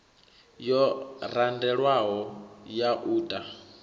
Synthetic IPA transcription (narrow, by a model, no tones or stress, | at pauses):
jɔɾandɛɺwaɦɔjaʔuːtʼa